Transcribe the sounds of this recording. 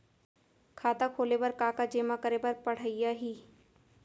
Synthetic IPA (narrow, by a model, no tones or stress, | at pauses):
kʰaːt̪akʰoːlepɐɾkaːkad͡ʒeːmakɐɾepɐɾpɐɽ̤əijaɦiː